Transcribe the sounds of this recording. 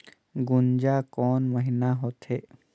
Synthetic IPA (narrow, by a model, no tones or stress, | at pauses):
ɡʊnd͡ʒakɔːnməɦinaɦot̪ɦeː